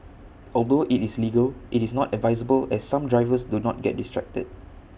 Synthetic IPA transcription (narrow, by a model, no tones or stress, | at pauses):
ɔldoʔitisliɡəlʔitisnɔtɛdvaɪzəbəlɛsːãmdɹaɪvəsdunɔ̰t̚ɡɛ̰t̚distɹɛ̰k̚tə̰d̚